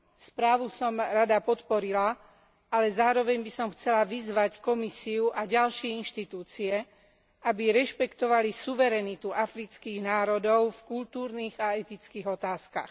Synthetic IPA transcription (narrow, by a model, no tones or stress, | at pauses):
spɾaːʋusɔmɾad̪apɔt̪pɔɾila | alɛzaːɾɔʋɛɲbisɔmxt͡sɛlaʋizʋackɔmisiuʔaɟalʃɪɛinʃt̪it̪uːt͡siɛ | abiɾɛʃpɛkt̪ɔʋalisuʋɛɾɛnit̪uʔafɾit͡skiːɣnaːɾɔd̪ɔʊfkult̪uːɾniːɣaɛt̪it͡skiːɣɔt̪aːskax